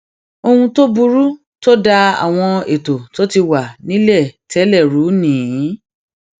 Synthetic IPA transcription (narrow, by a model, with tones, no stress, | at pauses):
o˧hũ˧to˦bu˧ɾu˦ | to˦da˧a̰˨w̃ɔ̃˧e˨to˨to˦ti˧wa˨nĩ˨˦lɛ˦˨tʰɛ˨˦lɛ˦˨ɾu˨˦nĩː˨˦